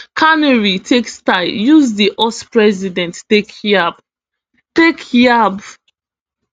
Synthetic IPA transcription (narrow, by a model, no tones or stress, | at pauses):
kʰanɛɹitʰekstaɪjuzdiʔɔspɹɛzidɛ̃nttekjab | tekjab